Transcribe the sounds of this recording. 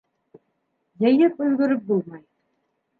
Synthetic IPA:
jɤ̆jɘpɵ̆jɡɵ̆ɾɵp̚bulˠmɑj

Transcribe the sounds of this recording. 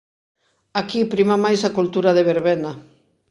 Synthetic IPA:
akipɾimamajsakult̪uɾaðeβeɾβɛna

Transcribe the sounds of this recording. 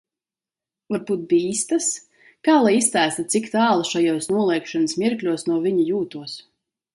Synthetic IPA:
vaɾbuːt̪̚biiːst̪as | kaːlˠajist̪æːst̪it̪sikt̪aːlˠaʃajuɔsnuɔlˠɛjkʃanɨsmʲiɾklʲuɔsnuɔvʲiɲijuːt̪uɔs

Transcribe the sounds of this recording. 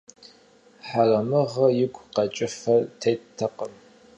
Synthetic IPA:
ħarɐmɨʁɐjɪɡʷqɐt͡ʃʼɪfɐrtʰejttʰːɐqəm

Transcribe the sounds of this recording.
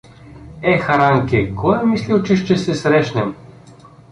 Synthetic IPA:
ɛxaɾaŋkʲɛkɔjɛmislʲilt͡ʃɛʃt͡ʃɛsɛsɾɛʃnɛm

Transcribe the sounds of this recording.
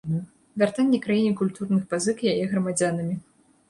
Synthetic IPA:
vʲart̪anʲːɛkɾajinʲikulʲt̪urnɨxpazɨkjajɛɣɾɐmad͡zʲanɐmʲi

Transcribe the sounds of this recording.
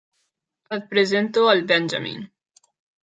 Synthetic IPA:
ɐt̪̚pɾezɛnt̪oɐlbɛnd͡ʒɐ̰mḭn

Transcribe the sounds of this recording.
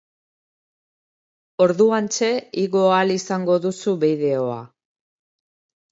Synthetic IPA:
o̞ɾðuant͡ʃe̞iɣo̞alisaŋɡo̞ðusuβið̞e̞o̞a̰

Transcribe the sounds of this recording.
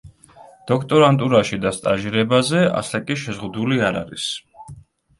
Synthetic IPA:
d̪̥ɔkʰt̪ʼɔɾant̪ʼuɾaʃid̪ast̪ʼaʒiɾɛbazɛa̰sakʼiʃɛzʁud̪uliaɾa̰ɾḭs

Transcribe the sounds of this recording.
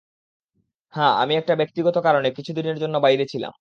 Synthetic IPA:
hɛ̃a̰miɛk̚ʈabek̚t̪iɡɔt̪okaɾonekit͡ɕʰud̪ineɾd͡ʑonːobajɾet͡ɕʰila̰m

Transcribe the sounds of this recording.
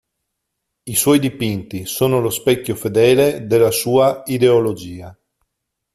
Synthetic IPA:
iswɔjd̪ipint̪isoːnolospɛkʲːofed̪ɛːled̪elːasuːaid̪eolod͡ʒiːa

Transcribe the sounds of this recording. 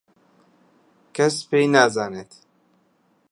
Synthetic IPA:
kʰɛspejnaːzaːnet̪

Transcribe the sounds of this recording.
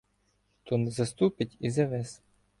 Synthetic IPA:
t̪ɔnɛzɐst̪upɪtʲizɐʋɛs

